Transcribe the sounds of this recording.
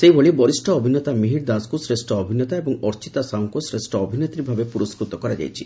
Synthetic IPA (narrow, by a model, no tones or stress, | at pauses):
sejboɭibɔɾisʈɔːbʱinːɔt̪amiɦiɽd̪askusɾesʈɔɔbʱinɔt̪aebɔŋɔɾt͡ʃit̪asaŋkosɾesʈɔɔbʱinɔt̪ɾibʱabepuɾɔskɾut̪ɔkɔɾad͡ʒa̰jt͡ʃʰḭ